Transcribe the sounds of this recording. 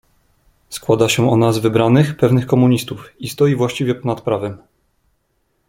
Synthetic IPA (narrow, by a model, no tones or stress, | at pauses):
skwad̪aɕɛɔnazvɘbɾanɘxpɛvnɘxkɔmuɲist̪ufist̪ɔjivwaɕt͡ɕivʲjɛpɔnat̪pɾavɛm